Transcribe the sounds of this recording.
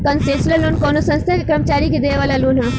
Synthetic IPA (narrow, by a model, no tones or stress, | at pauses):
kɐnsʈeːsləlloːnkɔːnosɐ̃nst̪ʰakekɾəmət͡ʃaːɾikid̪eːʋaːlaloːnɦɐ̃